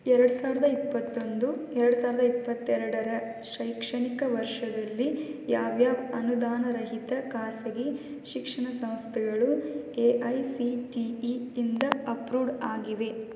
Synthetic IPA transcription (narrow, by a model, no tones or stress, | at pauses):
ɛɾɐɽusaːʋiɾɐd̪ɐipːɐt̪ːo̞nd̪uɛɾɐɽusaːɾɐd̪ɐipːɐt̪ːɛɾɐɽɐɾɐʃɐjkʂɐɳikɐʋɐɾʂɐd̪ɐlːijaːʋjaːʋɐnud̪aːnɐɾɐɦit̪ɐkaːsɐɡe | ʃikʂɐɳɐsɐ̃w̃st̪ʰɛɡɐɭueʔɐjsiʈiind̪ɐɐpɾuːɖaːɡiʋe̞